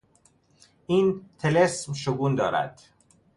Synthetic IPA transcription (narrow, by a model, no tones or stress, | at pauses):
ʔiːnt̪ʰelesmʃoɡuːnd̪ɒːɾæ̰d̪̥